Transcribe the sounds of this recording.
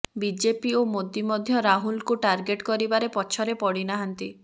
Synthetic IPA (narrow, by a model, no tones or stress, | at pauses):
bid͡ʒepiomod̪imɔd̪ʱjɔɾaɦulkuʈaɾɡeʈkɔɾibaɾepɔt͡ʃʰɔɾepɔɽinaɦant̪i